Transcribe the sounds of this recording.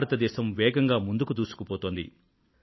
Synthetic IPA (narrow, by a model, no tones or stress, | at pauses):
ɾɐt̪ɐd̪ɛːʃɐmʋɛːɡɐŋɡaːmund̪ukut̪uːsu̥kupoːt̪oːnd̪ḭ